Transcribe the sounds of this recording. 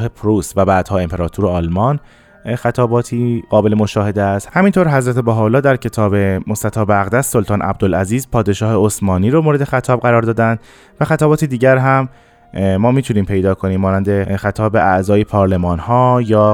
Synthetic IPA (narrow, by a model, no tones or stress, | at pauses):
ɦepʰɾuːsvæbæːd̪̥hɒːe̞mpʰe̞ɾɒːt̪ʰuɾoɒːlmɒːn | xæt̪ʰɒːbɒːt̪ʰiːɣɒːbe̞lemoʃɒːhe̞d̪eæst̪hæmint̪ʰoɾɦæzɾæt̪ʰe̞bæɦɒolːɒːd̪æɾcʰe̞t̪ʰɒːbe̞most̪æt̪ʰɒːbæɣd̪æsːo̞lt̪ʰɒːnʔæ̰b̚d̪olæziːzpʰɒːd̪e̞ʃɒːheosmɒːniːɾomoːɾed̪e̞xæt̪ʰɒːb̚ɣæɾɒːɾd̪ɒːd̪ænd̪̥ | væxæt̪ʰɒːbɒːt̪ʰed̪iːɟæɾɦæmː | ɒːmiːt̪ʰuniːmpʰe̞jd̪ɒːkʰo̞niːmːɒːnænd̪exæt̪ʰɒːbe̞æʔzɒːje̞pʰɒːɾle̞mɒːnhɒːjɒː